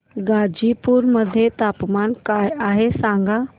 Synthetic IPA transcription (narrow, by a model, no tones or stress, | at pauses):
ɡaːd͡ʑipuɾməd̪ʱjet̪aːpmaːnkaːjaːɦesãːŋɡʱa